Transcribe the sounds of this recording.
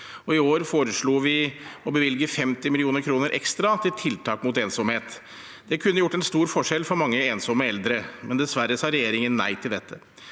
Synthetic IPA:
ɔɪoːɾfoːɾəʂɭuːʋɪɔbəʋɪlɡəfɛmt̪ɪmɪlɪuːnəɾkʰɾuːnəɾʔɛ̰kst̪ɾɑt̪ʰɪlt̪ʰɪlt̪ʰɑːkmʊt̪eːnsɔmheːt̪ | d̪̥ɛkʰʉnːəjʊʈːɛnst̪uːɾfɔʂɛlːfɔɾmɑŋːəeːnsɔmːəɛld̪ɾəmʔɛnd̪ɛsʋæɾəsɑːɾɛjeːɾɪŋənːæ̰ɪt̪ʰɪld̪ɛt̪ʰːə

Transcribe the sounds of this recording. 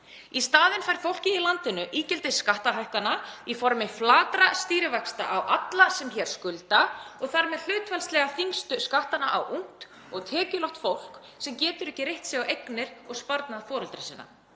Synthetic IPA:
ist̪aːðɪnfajɾ̥fowl̥cɪilant̪ɪnːʏʔiːcɪlt̪ɪsːkaht̪aɦajhkanaifɔɾmɪflaːt̪ɾast̪iːɾɪvakst̪a̰ʔawʔat̪lasɛmçɛːɾ̥skʏlt̪aɔɣθaɾmɛðl̥ʏːt̪vɛlst̪lɛɣaθiŋst̪ʏskaht̪ana̰ʔa̰wʔuŋ̥t̪ | ɔɣt̪ʰɛːcʏlɔht̪fowl̥k | sɛmcɛːt̪ʏɾɛhcɪrejht̪sjɛɣawʔejknɪɾ̥ɔɣspaɾt̪naðfɔːɾʏlt̪ɾasiːnːa̰

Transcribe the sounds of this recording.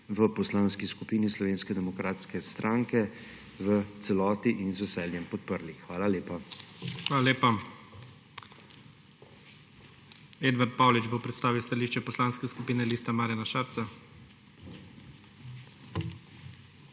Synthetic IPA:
ʋəpɔslaːnskiskupiːnislɔʋeːnskɛd̪ɛmɔkɾaːt̪skɛst̪ɾʔaːŋkɛ | ʋət̪sɛlɔːt̪iʔinzʋɛsɛljɛmpɔt̪̚pəɾlixʋaːlaleːpaxʋaːlaleːpa | eːd̪ʋaɾt̪̚paːwlid͡ʒbopɾɛt̪st̪aːʋiwst̪aliːʃt͡ʃɛpɔslaːnskɛskupiːnɛliːst̪amaːɾjanaʃaːɾt̪sa

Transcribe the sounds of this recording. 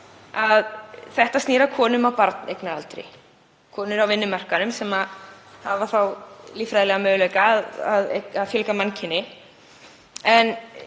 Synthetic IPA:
aðθɛht̪ast̪niːɾakʰɔːnʏmawpaɾt̪nejknaalt̪ɾɪ̰ | kʰɔːnʏɾawvɪnːʏmar̥kanʏmsɛma | havaθawliːfɾajðlɛɣamœːɣlœːɥjkaːðaðḛaðfjɛlkamancʰɪnːɪ | ɛn

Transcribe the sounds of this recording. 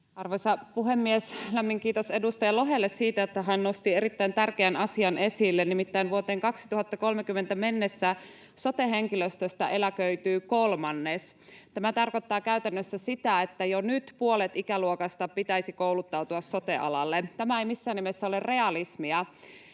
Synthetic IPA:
ɑrʋojsɑpuɦemːieslæmːiŋkiːt̪ose̞dust̪ɑjɑlo̞ɦelːessiːt̪æot̪ːæɦænno̞st̪ie̞ɾit̪ːæint̪ærkeænɑsiɑnʔe̞silːenimit̪ːæinʋuot̪e̞ːŋkɑksi̥t̪uhɑt̪ːɑko̞lmekymːent̪æme̞nːesːæ | so̞t̪eɦeŋkiløst̪øst̪æʔe̞lækøyt̪yːkolmɑnːest̪æmæt̪ɑrkot̪ːɑːkæyt̪ænːøsːæsit̪æet̪ːæjonyt̪puolet̪ikæluokɑst̪ɑpit̪æisikowlut̪ːɑwt̪uɑsːo̞t̪eʔɑ̰lɑlːet̪æmæejmisːæːnːimesːæolere̞ɑlismiɑ

